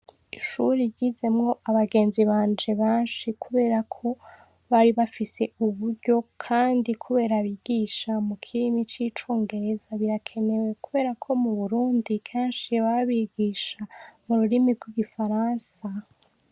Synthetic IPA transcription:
iʃuɾiɟize̞mŋo̞ʔaβaɡe̞ːnziβaːnd͡ʒeβaːnʃikʰuβe̞ːɾakʰo̞ | βaɾiβafise̞uβuɾɟo̞kʰaːndikʰuβe̞ːɾaβiɡ̥iːʃamukʰiɾimit͡ʃiːt͡ʃoːŋɡe̞ɾe̞zaβiɾakʰe̞ne̞we̞kuβe̞ːɾakʰo̞muβuɾuːndikʰeːnʃiβaβiːɡiːʃamuɾuɾimiɡwiɡifaɾaːnsa

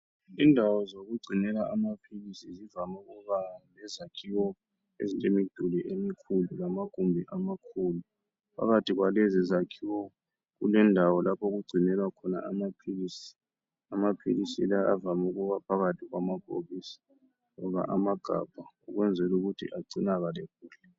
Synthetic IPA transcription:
indʱawɔzoɣuɡ͡ǀʱinɛlaʔamapʰilisizivamuɣuβalɛzakʰiwɔ | ḛzitʼemid̥ʱuliʔemikʰululamaɡ̥ʱumbʱiʔamakʰulu | pʰa̰ɣatʰʼiɣwalɛzizakʰiwɔ | ɣṵlɛndʱawɔlapʰɔɣuɡ͡ǀʱinɛlwakʰɔna̰ʔamapʰilisi̥ | amapʰḭlisḭlaa̰vamuɣuβapʰaɣatʰiɣwamapʰo̰ɣisḁ | ŋɔβa̰ʔamaɡ̥ʱa̰b̥ʱaṵɣwɛnd͡zʱɛluɣutʰḭʔaǀinaɣaleɣ̚uːɬɛ

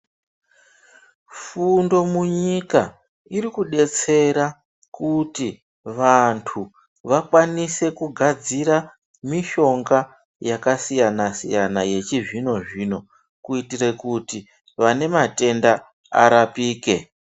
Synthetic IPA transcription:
fundo̞muɲika | iɾikuɗe̞t͡se̞ɾa | kuti | ʋantʰu | ʋakwanise̞kuɡʱad͡ziɾa | miʃo̞ŋɡa | jakasijanasḭjanaje̞t͡ʃiʐino̞ʐiːno̞ | kuitirekuti | ʋane̞mate̞nda | a̰ɾapiːke̞

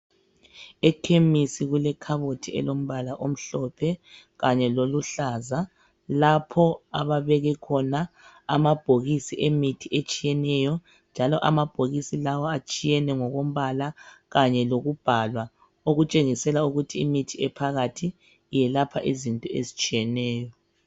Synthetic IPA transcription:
ɛkʰemisiɣulɛkʰaβotʰiɛ̰lom̩βalaʔom̩ɬɔpʰɛ | ɣaɲɛloluɬaːza | lapʰɔaβaβɛɣɛkʰɔnaa̰mab̥ʱoɣisiʔemitʰiʔet͡ʃʼijɛnɛjɔ | nd͡ʒʱalɔʔa̰mab̥ʱoɣisilawɔat͡ʃʼijɛnɛŋɔɣom̩βalaɣaɲɛloɣub̥ʱalwa | oɣut͡ʃʼeŋisɛlauɣutʰiimitʰiɛpʰaɣatʰiː | jɛlapʰaʔizintʼɔḛzit͡ʃʼijɛnɛːjɔ

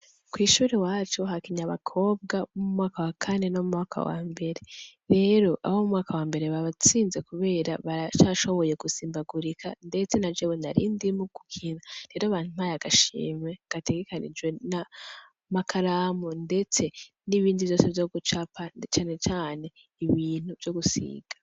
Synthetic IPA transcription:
kwiːʃuːɾewaːt͡ʃoɦakiɲaβa̰kʰo̞ːb̚ɡamumŋaːkawakʰane̞no̞mumŋaːkʰa̰wa̰ːmbe̞ɾe̞ɾe̞ːɾo̞ʔa̰βomumŋaːkawaːmbe̞ɾe̞βaβat͡siːnze̞kuβe̞ːɾaβaɾat͡ʃaːʃo̞βo̞je̞ɡusiːmbaɡuɾikʰa̰nde̞t͡se̞nad͡ʒeβonaɾḭːndimuɡu̥kʰinaɾe̞ːɾoaːβaːn̥umajaɡ̥aʃḭːme̞ɡ̥ate̞ɡe̞kanḭd͡ʒɡwe̞na | makʰaɾaːmunde̞t͡se̞ | niβiːndivjo̞ːse̞vjoɡut͡ʃapat͡ʃaːne̞t͡ʃaːne̞ | iβiːn̥uvjo̞ɡusḭːɡ̥ḁ

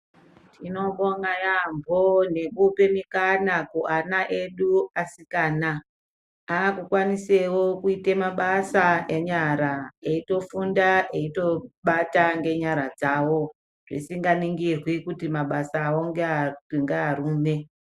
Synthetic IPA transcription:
tʰino̞ɓoŋajambʱone̞kupe̞mikanakuʔanaʔe̞ɗuasikaːna | aːkukwanise̞wokuitemaɓasaeɲaɾaeito̞fundaeito̞ɓataŋɡe̞ɲaɾad͡zawo̞ | ʐ̥ḭsiŋɡaniŋɡirwikutimaɓasaoŋɡeŋɡeaɾuːme

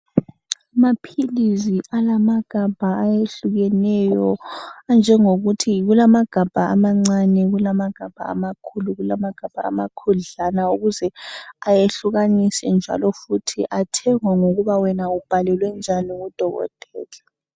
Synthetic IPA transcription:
amapʰiliziʔalamaɡ̥ʱab̥ʱaajeɬuɣɛnɛjɔand͡ʒʱɛŋoɣutʰiɣulamaɡ̥ʱab̥ʱa̰ːmaŋ͡ǀanɛɣulamaɡ̥ʱab̥ʱa̰ːmakʰuluɣulamaɡ̥ʱab̥ʱa̰ːma̰kʰuɮanauɣuzɛajeɬuɣanisɛnd͡ʒʱa̰lɔfutʰiʔatʰɛŋwaŋoɣuβawɛnaub̥ʱalɛlwɛnd͡ʒʱaniɣud̥ʱɔɣɔ̰tʰʼɛ̰ːlɛ

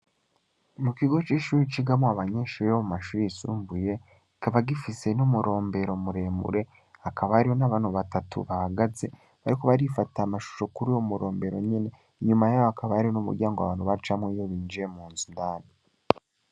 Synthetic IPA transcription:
mukiɡo̞t͡ʃiːʃuːɾit͡ʃiɡamoaβaɲeːʃuɾijomumaʃuːɾiisṵːɱvuje̞ | ikaβaɡifise̞numuɾo̞ːmbe̞ɾo̞muɾe̞ːmṵɾe̞ | akʰaβaaɾiho̞naβaːn̥huβatatṵβahaɡaze̞ | βaɾiko̞βaɾifataamaʃu̥ʃo̞kuɾijomuɾo̞ːmbe̞ɾo̞ɲene̞ | iɲumajaːjoakaβaaɾihonumṵɾɟaːŋɡoa̰βaːn̥huβait͡ʃamŋejo̞βiːnd͡ʒijemuːnzundaːni

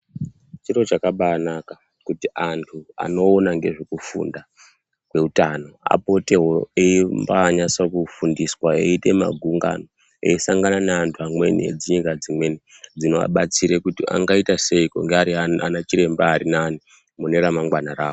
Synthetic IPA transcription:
t͡ʃiro̞t͡ʃakaɓanaka | kutiʔantʰua̰no̞ːnaŋɡe̞ʐekufṵnda | kwe̞utano̞a̰po̞teɦo̞eimbaɲasokufundiswaeite̞ma̰ɡʱuŋɡa̰no | e̞isaŋɡananeantʰuamwe̞nḭd͡ziɲikad͡zimwe̞ni | d͡zino̞a̰ɓat͡siɾekutia̰ŋɡaitase̞iko̰ŋɡeaɾiaanat͡ʃiɾe̞mbaːɾinani | mune̞ɾamaŋɡwanaraːko

